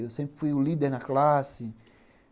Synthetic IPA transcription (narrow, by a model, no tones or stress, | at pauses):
ewsẽmpɾɪfujʊlid̪eɾnɐklasɪ